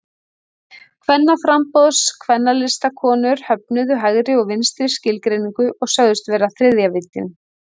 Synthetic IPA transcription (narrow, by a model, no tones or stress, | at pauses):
kʰvɛnːafɾampɔðskʰvɛnːalɪst̪akʰɔːnʏɾ̥hœp̚nʏðʏɦaɣɾɪɔɣvɪnst̪ɾɪ̥scɪlkɾejniŋkʏʔɔɣsœɣðʏst̪vɛːɾaθɾɪðjavɪt̪ːɪn